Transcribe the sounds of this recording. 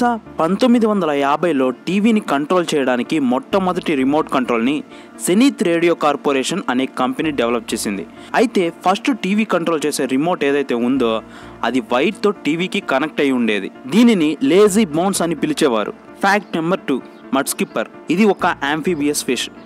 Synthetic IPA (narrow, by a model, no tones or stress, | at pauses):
sapɐnt̪omːid̪iʋɐnd̪ɐlɐjaːbɐjlo̞ːʈiːʋiːnikɐɳʈɾoːlt͡ʃɛːjɐɽaːnikimɔʈːɐmɐd̪ɐʈiɾimo̞ːɾʈkɐɳʈɾoːlni | seniːt̪ɾeːɽijo̞ːkaːɾpoːɾeːʂɐnɐneːkɐmpeniːɖeʋɐlɐp̚t͡ʃe̞ːsind̪ḭ | ɐjit̪e̞ːpʰɐsʈʈiːʋiːkɐɳʈɾoːlt͡ʃe̞ːse̞ːɾimo̞ːɾʈeːd̪ɐjt̪e̞ːund̪o̞ː | ɐ̰d̪iʋɐjʈ̚t̪o̞ːʈiːʋiːkikɐnek̚ʈɐjuɳɖe̞ːd̪ḭd̪iːninile̞ːziːbɐːnsɐnipilit͡ʃɛːʋa̰ːɾṵ | pʰaːk̚ʈnɐmbɐɾʈuː | mɐɖskipɐɾ | id̪iɔkɐʔaːmpʰiːbiːespʰiʂ